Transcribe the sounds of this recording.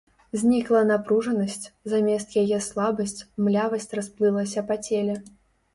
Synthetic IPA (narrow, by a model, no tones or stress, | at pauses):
zʲnʲiklˠɐnapɾuʐɐnɐsʲt͡sʲzamʲɛst̪jajɛslˠabɐsʲt͡sʲmlʲavɐsʲt͡sʲrasplˠɨlˠɐsʲɐpat͡sʲelʲɛ